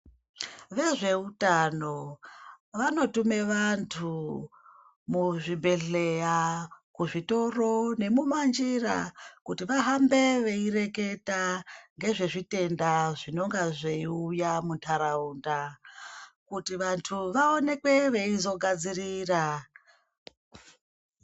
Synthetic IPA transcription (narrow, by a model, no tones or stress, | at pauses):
ʋe̞ʐe̞utano̞ | ʋano̞tume̞ʋantʰu | muʐibʱe̞ɮejakuʐito̞ro̞ne̞mumand͡ʒira̰kutiʋaɦambe̞ʋe̞ire̞ke̞taŋɡe̞ʐe̞ʐite̞ndaʐino̞ŋɡaʐeiujamuntʰaɾaunda | kutiʋantʰuʋao̞ne̞kwe̞ʋe̞izo̞ɡʱad͡ziriːra